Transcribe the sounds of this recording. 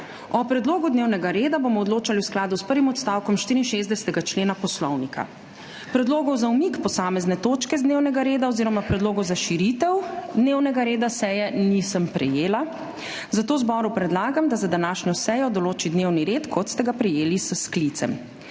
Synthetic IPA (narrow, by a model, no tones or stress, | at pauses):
ɔpɾɛd̪loːɡud̪neːwnɛɡaɾeːd̪abomɔɔd̪loːt͡ʃaliwsklaːd̪uspəɾʋimɔt̪st̪aːwkɔmʃt̪iːɾinʃezd̪ɛsɛ̥t̪ɛɡat͡ʃleːnapɔslɔwnikʰa̰ | pɾɛd̪loːɡɔwzaumikpɔsaːmɛznɛt̪oːt͡ʃkɛzd̪newnɛɡaɾeːd̪aɔziːɾɔmapɾɛd̪loːɡɔwzaʃiɾit̪ɛwd̪newnɛɡaɾeːd̪asɛjɛnisəmpɾɛ̰jeːla | zat̪oːwzbɔɾupɾɛd̪laːɡamd̪azad̪anaʃɲɔsɛjɔd̪ɔloːt͡ʃid̪newniɾet̪kʰɔt̪st̪ɛɡapɾɛjeːlisəsklit̪sɛ̰m